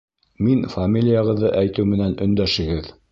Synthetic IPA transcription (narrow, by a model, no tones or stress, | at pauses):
minfamʲilʲɪjəʁɤ̆ðːɤʔæjt̪ɘwmɘ̆nænɵ̆nd̪æʃɘ̆ɡɘð